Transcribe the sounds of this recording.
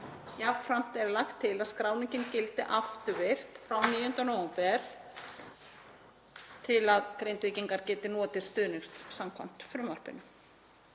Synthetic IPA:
japfɾam̥t̪ɛɾlaxt̪ʰːɪlaðskɾaːwniɲcɪncɪlt̪ɪʔaft̪ʏɾvɪr̥t̪fɾawniːjʏnt̪anɔɛmpɛɾ̥ | t̪ʰɪlaðkɾejnt̪vɪcɪŋkaɾcɛːt̪ɪnɔːt̪ɪ̥st̪ʏðnɪkst̪samkʰva̰n̥t̪fɾɪmvar̥pɪ̰nʏ

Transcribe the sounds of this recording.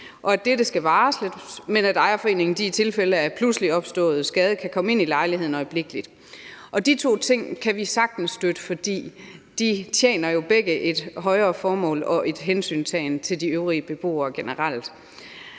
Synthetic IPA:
ʔɒ̽æd̥eɾəsɡ̥æʋɑ̈ːsled̥menædɑ̈ɪɐfɒe̝̰ːne̝ŋn̩d̥iit͡sʰe̝lfeləæpʰlusliɒ̽b̥sd̥ɔ̰̽ːð̩ˠsɡ̥ɛːð̞ˠəkʰækʰɒ̽məe̝nilɑ̈ɪliɦeð̰ˠn̩ɒ̽ɪb̥le̝ɡ̥əlid̥ | ʔɒ̽d̥it͡sʰo̝̰ːt͡sʰe̝ŋ̰kʰæʋisɑ̈ɡ̥̚d̥n̩sd̥ød̥əfɒ̽d̥ḭːd̥it͡sʰjḛːnɐjo̝b̥eɡ̥əʔe̝d̥ɦɒ̽ɪɐːfɒːmɔ̰̽ːlɒ̽ʔe̝d̥ɦensy̰ːnsʰɛ̰ɪnt͡sʰe̝ld̥iøʊʁiəb̥e̝b̥o̝̰ːɐːɡ̥e̝nəʁɑl̰d̥

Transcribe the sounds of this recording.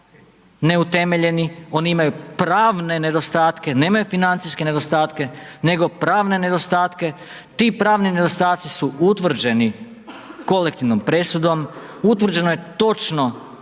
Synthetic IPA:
ne̞ut̪e̞me̞ʎe̞nio̞niimajupɾaːʋne̞ne̞d̪o̞st̪aːt̪ke̞ne̞ːmajufinant̪sijske̞ne̞d̪o̞st̪aːt̪kene̞ɡo̞pɾaːʋne̞ne̞d̪o̞st̪aːt̪ke̞ | t̪iːpɾaːʋnine̞d̪o̞st̪aːt̪sisuut̪ʋr̩d͡ʒe̞ni | ko̞lekt̪iʋnompɾe̞sud̪o̞m | ut̪ʋr̩d͡ʒe̞nojet̪o̞t͡ʃno

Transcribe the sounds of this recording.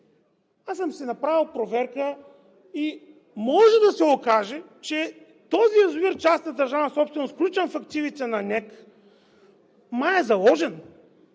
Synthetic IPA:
asəmsɛnɐpɾavilˠpɾovɛɾkə | i | mɔʒɛd̪ɐsɛokaʒɛt͡ʃɛ | t̪ɔziɐzoviɾt͡ʃast̪ɐd̪ɐɾʒanɐsɔpst̪ɛnosklʲut͡ʃəmfɐk̚t̪ivit̪ɛnɐnʲɛk | maɛzɐlˠɔʒɛn

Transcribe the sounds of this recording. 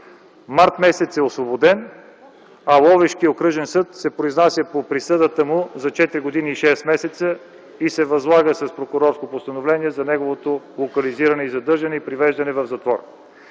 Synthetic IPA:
maɾt̪mɛsɛt̪sɛosvobod̪ɛn | ɐlˠɔvɛʃkiokɾɤʒɛnsɤt̪sɛpɾoiznasʲjəpopɾisəd̪ət̪əmʊzɐt͡ʃɛt̪iɾiɡod̪iniːʃɛst̪mɛsɛt̪sə | isɛvɐzlˠaɡəsɐspɾokʊɾɔɾskopost̪ənovlɛniɛzɐnɛɡovot̪o | lˠokɐliziɾɐnɛizɐd̪ɤɾʒɐnɛipɾivɛʒd̪ɐnɛvɐvzɐt̪vɔɾ

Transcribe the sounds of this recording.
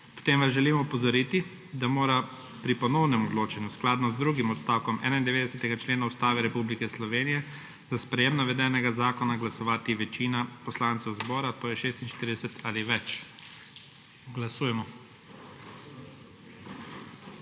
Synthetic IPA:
pt̪eːmʋazʒɛlimɔupɔzɔɾit̪i | d̪amoːɾa | pɾipɔnɔwnɛmɔd̪loːt͡ʃɛnjusklaːd̪nɔzd̪ɾuɡimɔt̪st̪aːwkɔmʔɛ̰ːnaind̪ɛʋeːd̪ɛsɛt̪ɛɡat͡ʃleːnaust̪aːʋɛɾɛpublikɛslɔʋeːnijɛ | zaspɾɛjemnaʋɛd̪ɛːnɛɡazaːkɔnaɡlasɔʋaːt̪iʋɛt͡ʃiːnapɔslaːnt̪sɛwzbɔːɾat̪ɔjɛʃeːst̪inʃt̪iɾid̪ɛsɛt̪ʰaliʋɛt͡ʃ | ɡlasuːjɛmɔ

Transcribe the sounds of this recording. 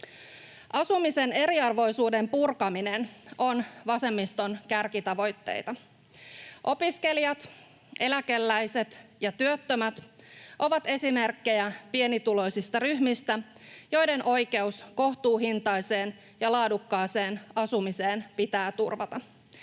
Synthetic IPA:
ʔɑsumise̞ne̞ɾiɑrʋo̞jsuːde̞mpurkɑmineno̞nʋɑse̞mːist̪o̞nkærkit̪ɑʋo̞jt̪ːe̞̰jt̪ɑ | ʔo̞piske̞liɑt̪ | ʔe̞læk̟e̞lːæjse̞t̪jɑt̪yøt̪ːømæt̪ʔo̞ʋɑt̪e̞sime̞rkːe̞jæpie̞nit̪ulo̞jsist̪ɑryhmist̪æ | jo̞jde̞nʔo̞jke̞usko̞ht̪uːɦint̪ɑjse̞ːn | jɑlɑːdukːɑːse̞ːnɑsumise̞ːnpit̪æːt̪urʋɑt̪ɑ

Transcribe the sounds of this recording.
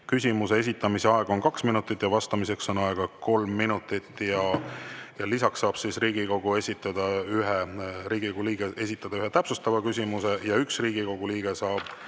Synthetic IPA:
kysʲimuse̞es̬it̪ːˑɑmise̞ɑe̞ɡ̥ɑo̞nkɑksminut̪ːˑit̪ːˑjɑvɑst̪ɑmise̞kso̞nɑeɡ̥ɑko̞lmːinut̪ˑit̪ːjɑ | jɑlisɑksːɑːb̥sisriːɡ̥iko̞ɡ̥ue̞sʲit̪ːˑɑd̪̥ɑyɦeɾiːɡ̥ikoɡ̥uliːɡ̥eʔe̞sʲit̪ːˑɑd̪̥ɑyɦet̪æpsust̪ɑvɑkys̬ʲimuse̞jɑyksriːɡ̥iko̞ɡ̥uliːɡ̥e̞sɑːb̥

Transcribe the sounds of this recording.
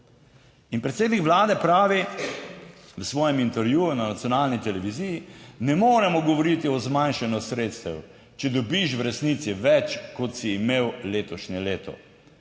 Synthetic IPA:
inpɾɛt̪seːd̪nikʋlaːd̪ɛpɾaːʋi | wəsʋɔːjɛmint̪ɛɾjuːjunanat̪sjɔnaːlnit̪ɛlɛʋizijinɛmoːɾɛmɔɡɔʋɔɾit̪iɔzmanʃanɔsɾeːt̪st̪ɛw | t͡ʃɛd̪ɔbiʃwɾɛsnit̪siʋɛt͡ʃkɔt̪siːmeːwleːt̪ɔʃnɛleːt̪ɔ̰

